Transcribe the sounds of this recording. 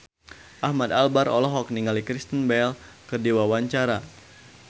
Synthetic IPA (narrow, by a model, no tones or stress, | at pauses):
ʔahmad̪albaɾɔ̰lɔɦɔk̚niŋalikɾist̪ənbɛl | kərdiwawaɲt͡ʃaɾa